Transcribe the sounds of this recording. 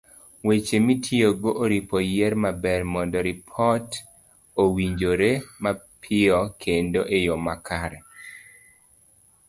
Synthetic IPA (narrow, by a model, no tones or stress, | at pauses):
wet͡ʃemitʰjioɡoʔoɾipojɛɾmabɛɾmɔndɔɾɪpʰɔt | owiɲd͡ʒoɾema | pʰɪɔkʰendoʔejomakʰaɾɛ